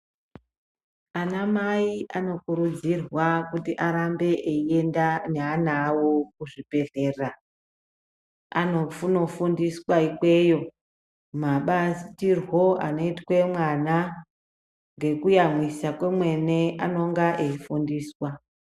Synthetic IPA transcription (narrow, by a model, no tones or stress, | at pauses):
anamaiʔano̞kuɾud͡zirwakutiʔaɾambe̞ʔeiendaneanawokuʐipe̞ɮe̞ːra | a̰no̞funo̞fundiswaikwe̞jo̞ | maɓasitirwo̞a̰noitwe̞mwana | ŋɡe̞kujamwisakwe̞mwe̞ne̞ano̞ŋɡaʔeifundiːswa